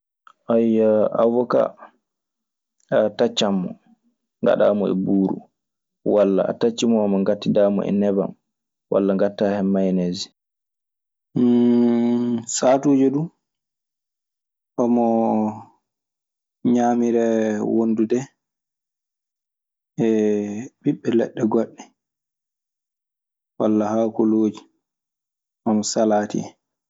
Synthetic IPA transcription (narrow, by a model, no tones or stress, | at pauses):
ʔajːaʔa̰wɔka̰ | atat͡ʃːamːɔ | ŋɡa̰ɗa̰mɔɛ̰buːɾṵ | walːa̰a̰tat͡ʃːimɔamaŋɡatːidaːmɔ̰ɛ̰nɛba̰m | wʔa̰lːaŋɡatːahɛːajneːzi | satuːd͡ʒɔɗu | ʔɔmɔ | ɲaːmiɾɛwondudɛ | ʔɛbiɓːɛlɛ̰ɗːɛɡɔɗːɛ | wa̰lːahakuloːd͡ʒi | ʔɔmɔsalaːtḭɛ